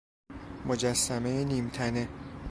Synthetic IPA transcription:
mod͡ʒæsːæme̞jeniːmt̪ʰæne̞

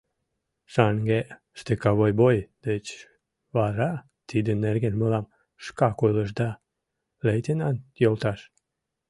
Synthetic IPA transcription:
ʃɑŋɡe | ʃt̪ekɑβojbojd̪̥ət͡ɕ | βɑɾɑ | t̪id̪ənːerɣenməlɑm | ʃkɑkojləʃd̪ɑ | lejt̪enɑnjolt̪ɑʃ

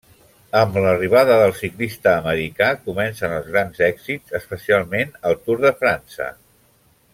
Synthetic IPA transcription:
əmləriβ̞aðəðəlˠsiklist̪əːməɾikakumɛnsənəlˠzɣɾanzɛɡz̥izəspəsialˠmenəlˠt̪uɾðəfɾansə̰

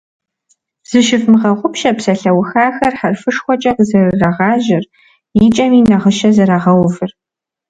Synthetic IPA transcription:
z̥ɨʃɪfmɨʁɐʁʷʊpʃɐpsɐɬɐwxaːxɐrħarfɨʂxʷɔt͡ʃʼɐqzɐrɨrɐʁɑːʒɪr | jit͡ʃʼɐmiːnɐʁəʃɐzɐɾaːʁɐwvɨr

